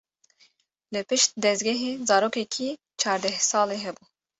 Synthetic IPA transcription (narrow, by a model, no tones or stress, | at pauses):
lɨpɨʃt̪̚d̪ɛzɡʲɛɦeːzɑːɾoːkɛkʰi | t͡ʃʰɑːɾd̪ɛhsɑːleːɦɛbuː